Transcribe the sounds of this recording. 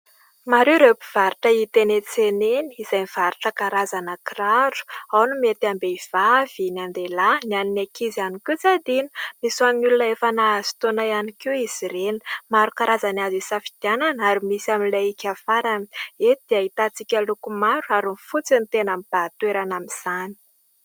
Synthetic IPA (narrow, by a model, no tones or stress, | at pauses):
maɾeɾepiv̥aɾiʈ͡ʂəit̪enet͡seneniizajniv̥aɾiʈ͡ʂəkaɾazanakiraɾu̥awnumet̪iambeiv̥av̥inand̪elananinakizianikʲut͡sad̪inə̥misuaminulunəefanaazi̥t̪onajanikiiz̥iɾeni̥maɾukaɾazanazisafid̪̥iananaɾimisiaminlaikʲafaɾani̥ed̪̥eaɦit̪at͡sikʲalukumaɾuaɾunfut͡sinit̪enamib̥at̪weɾanamiz̥ani̥